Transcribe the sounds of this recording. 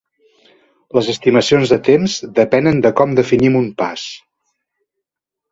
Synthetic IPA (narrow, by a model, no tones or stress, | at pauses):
ləzəst̪iməsionzðət̪emzd̪əpɛnənd̪əkɔmd̪əfinimumpas